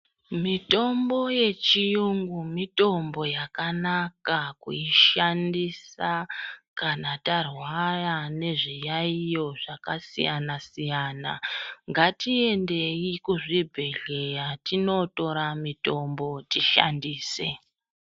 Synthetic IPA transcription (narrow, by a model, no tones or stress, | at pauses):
mito̞mbo̞je̞t͡ʃijuŋɡumito̞mbo̞jakanakakṵiʃandisakanatarwarane̞ʐijaijo̞ʐakasḭjanasijaːna̰ŋɡatie̞nde̞ikuʐibʱe̞ɮe̞jatino̞to̞ɾamito̞mbo̞tiʃa̰ndiːse̞̰